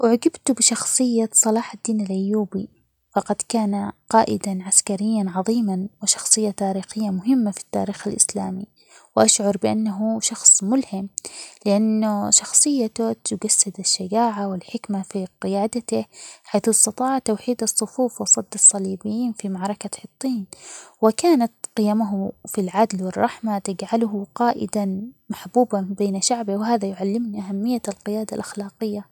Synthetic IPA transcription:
wɪʕaɡɪbt̪bɪʃɑxsˤɨjːasˤɑlɑːħad̪ːiːnalʔajːuːbi | fɑqɑd̪kaːnaqɑːʔɪd̪anʕaskaɾɪjːanʕɑðˤiːmanwɪʃɑ̥xsˤɨjːat̪aːɾiːxɪjːamʊɦɪmːafi̥t̪ːa̰ːɾiːxalʔɪ̰slaːmi | wʔaʃʕʊɾˤbɪʔanːaɦuʃɑxsˤmʊlhɪmlɪʔanːʊʃɑxsˤɨjːat̪at̪ʊɡasːad̪aʃːad͡ʒaːʕawɪlħɪkmafiqɪjaːd̪at̪ɪħajθɑst̪ɑt̪ˤɑːʕt̪ːawħiːd̪ɑsˤːʊfuːfwɪsˤːɑd̪ːɑsˤːɑliːbɪjːiːnfimaʕɾˤɑkat̪ˤːiːnwɪkaːnat̪qɪjamaɦfilʕad̪lwɪrˤːɑħmat̪ɪd͡ʒʕalʊɦʊqɑːʔɪ̰d̪amaħbuːbabeːnaʃaʕbɪwɪɦaːðajʊʕalːɪmniʔaɦamːɪjːalqɪjaːd̪alʔaxlaːqɪjːa

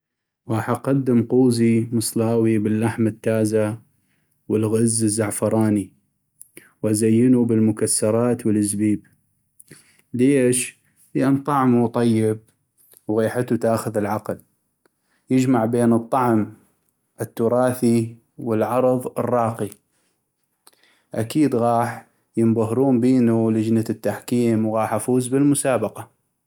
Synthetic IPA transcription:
waħaqɑd̪ːɪmquːzimɨsˤlaːwibɪlːaħmat̪ːaːza | wɪlɣɪzːɪzːaʕfɑɾˤɑːni | wʔazajːɪnubɪlmʊkasːɑɾˤɑːt̪wəlɪzbiːb | leːʃ | liʔant̪ˤɑʕmut̪ˤɑjːɪb̚ | wɣiːħat̪ut̪aːxʊðɪlʕaql | jɪd͡ʒmaʕbeːnɨt̪ˤːɑʕm | ʔɪt̪ːʊɾˤɑːθi | wəlʕɑɾˤðˤɨrˤːɑːqi | ʔakiːd̪ɣɑːħ | jɪmbaɦɾuːmbiːnulɪd͡ʒnat̪ːaħkiːmwɣɑːħʔafuːzbɪlmʊsaːbɑqɑ

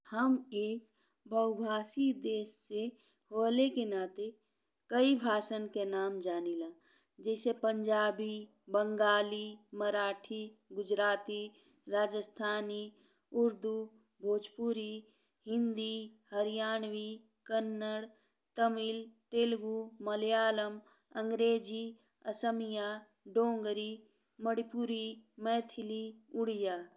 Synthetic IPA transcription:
həmeːk | bʱəʊbʱaːsid̪eːsːe | hoːlekenaːt̪e | kəibʱaːsənkenaːmd͡ʒaːnilãː | d͡ʒɛːsepəɲd͡ʒaːbi | bəŋɡaːliməɾaːʈʰiɡʊd͡ʒɾaːt̪i | ɾaːd͡ʒəst̪ʰaːni | uɾd̪u | bʱoːd͡ʒpuɾi | ɦind̪ihɐɾijaːnʋi | kɐnːəɽ | t̪ɐmilt̪eːlɡumɐljaːlɐm | ɐŋɡɾeːd͡ʒi | ɐsəmijaː | ɖoːŋɡɾi | mɐɽipuɾimɛːt̪ʰiliʊɽijaː

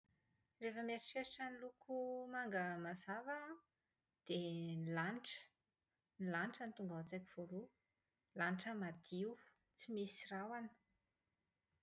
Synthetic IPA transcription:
refəmeɾiʃeɾiʈ͡ʂanilukʰumaŋɡəmazavə | d̪̥enilanʈ͡ʂə̥ | nilaniʈ͡ʂənit̪uŋɡaat͡sakiv̥olu | lanʈ͡ʂəmad̪iwu | t͡simisirawanə̥

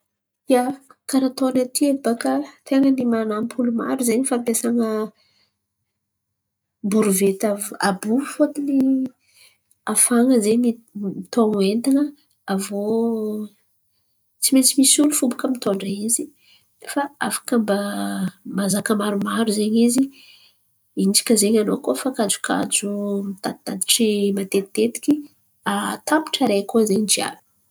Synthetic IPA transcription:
jakaɾat̪onat̪iebakət̪eŋənimanampʰuluma̰ɾuzeɲifampesaŋə | buɾuvet̪avabufoat̪ini | afaŋəzemimit̪oŋent̪inə | avo | t͡simet͡simisulufubukəmit̪oɳɖ͡ʐaizi | efaafḁkamba | mazakəmaɾumaɾuzeɲizi | ind͡ʒi̥kʲəzeɲanokofakad͡ʒu̥kʰa̰d͡ʒumit̪at̪ad̪iʈ͡ʂimat̪eit̪et̪i̥kʲi | at̪ampi̥ʈ͡ʂaɾekozeɲd͡ʒia̰vu̥

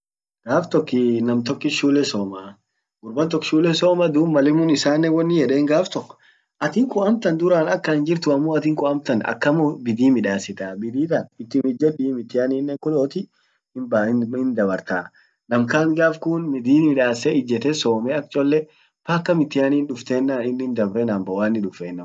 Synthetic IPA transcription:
ɡ̥aːft̪ɔkːɪnɐmt̪ɔkːɪʃuːlːɛsoːmaː | ɡʊɾbɐnt̪ɔkːʃuːlːɛsoːmɐd̪uːbmɐlɛmʊːnɪsaːnːɛwɔnːɪjɛᶑeːŋɡaːft̪ɔkːɔ̥ | ʔɐt̪ɪŋkʊɐmt̪ɐnd̪ʊɾaːnɐkːɐɪnd͡ʒɪɾt̪ʊɐmːuːɐt̪ɪŋkʊɐmt̪ɐnɐ̰kːɐmobɪd̪iːmɪᶑaːsːɪt̪aːbɪd̪iːt̪ɐnɪt̪ːɪnɪd͡ʒɛɗiːmɪt̪ːɪjaːniːnːɛkʊloːt̪ɪ | ɪbɪnd̪ɐbɐɾt̪aː | nɐmkaːŋɡaːfkuːnmɪd̪iːnmɪᶑaːsɛɪd͡ʒːɛt̪ɛsoːmɛɐk̚t͡ʃʼɔlːɛ | fɐkːɐmɪt̪ːɪjaːniːnᶑʊft̪eːnːaːnɪnːɪnd̪ɐbɾɛnambɐwaːnːɪᶑʊfeːnːɐ

